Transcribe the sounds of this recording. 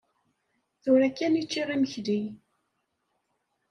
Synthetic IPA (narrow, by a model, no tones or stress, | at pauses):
θʊɾækːænit͡ʃːirˤiməçði